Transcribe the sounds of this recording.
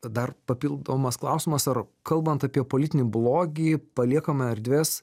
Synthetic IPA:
d̪ɐrpɐpʲilˠd̪oːmɐsklˠɐʊsʲɪmɐsɐrkɐlˠbɐnt̪ɐpʲiɛpolʲɪt̪ʲɪnʲiblˠoːɡʲiːpɐlʲiɛkɐmɐɐɾʲd̪ʲʋʲeːs

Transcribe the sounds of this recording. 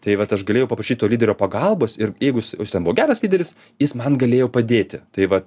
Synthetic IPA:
t̪ɐɪʋɐt̪ɐʃɡɐlʲeːjɛʊpɐpɾɐʃʲiːt̪̚ʲoːlʲiːdʲɛɾʲoːpɐɡɐlˠboːsɪɾjɛɪɡʊjɪsjɪst̪ʲɛnbuʋoːɡʲæːɾɐslʲiːdʲɛɾʲɪs | jɪsmɐnɡɐlʲeːjɛʊpɐd̪ʲeːt̪ʲɪt̪ɐɪʋɐt

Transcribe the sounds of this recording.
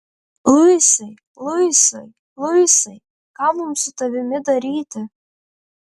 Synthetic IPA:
lˠʊjsɐɪ | lˠʊjsɐɪ | lˠʊjsɐɪ | kɑːmʊmsʊt̪ɐʋʲɪmʲɪd̪ɐɾʲiːt̪ʲɪ

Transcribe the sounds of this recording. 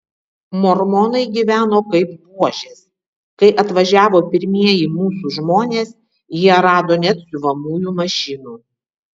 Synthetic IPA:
mɔɾmɔnɐɪɡʲiːʋʲæːnoːkɐɪp̚puɔʒʲeːs | kɐɪʔɐt̪ʋɐʒʲæːʋoːpʲɪɾʲmʲiɛjiːmuːsuʒmoːnʲeːs | jiɛɾɑːd̪oːnʲɛt̪sʲʊʋɐmuːjuːmɐʃʲɪnuː

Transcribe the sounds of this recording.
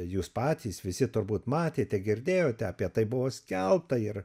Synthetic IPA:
juːspɑːt̪ʲiːsʋʲɪsʲɪt̪ʊɾbuːt̪mɑːt̪ʲeːt̪ʲɛɡʲɪɾʲd̪ʲeːjoːt̪ʲɛɐːpʲiɛt̪ɐɪbʊʋoːsʲkʲɛlˠpt̪ɐɪr

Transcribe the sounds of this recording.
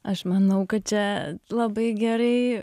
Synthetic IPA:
ɐʃmɐnɐʊkɐt̪̚t͡ʃʲɛlˠɐbɐɪɡʲɛɾɐɪ

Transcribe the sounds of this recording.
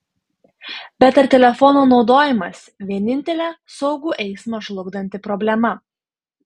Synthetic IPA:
bʲɛt̪ɐɾt̪ʲɛlʲɛfɔnoːnɒʊd̪oːjɪmɐs | ʋʲiɛnʲɪnʲt̪ʲɛlʲɛːsɔʊɡuːʔɛɪsmɐʃlˠʊɡd̪ɐnʲt̪ʲɪpɾɔbʲlʲɛmɐ

